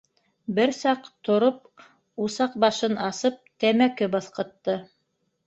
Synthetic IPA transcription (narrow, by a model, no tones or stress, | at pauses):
bɘɾsɑqt̪ŏɾop̚ | usɑq̚bɑʃɤnɑsɤp̚t̪æmækɘbɑθqɤ̆t̪ːɤ